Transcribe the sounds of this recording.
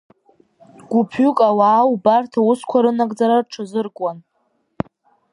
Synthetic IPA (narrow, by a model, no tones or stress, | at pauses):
ɡ̥ʷʊpʰʏkʼawaːwbartʰauskʷʰaɾɨnaɡʼd͡zaɾarʈ͡ʂʰazɨrkʼwan